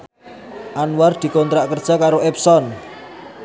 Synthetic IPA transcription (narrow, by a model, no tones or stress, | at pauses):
ʔanward̪̥i̤kɔnt̪ɾaʔkərd̥ʒ̥a̤kaɾoʔɛpsɔn